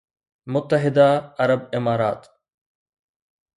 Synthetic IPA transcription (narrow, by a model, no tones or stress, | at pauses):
mʊt̪ːəɦɪd̪aɐɾəbɪmaːɾaːt̪